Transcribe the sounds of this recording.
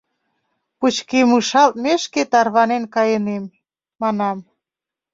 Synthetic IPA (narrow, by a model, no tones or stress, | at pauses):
put͡ɕkemɯʃɑlt̪̚meʃket̪ɑrβɑnenkɑjənemː | ɑnɑm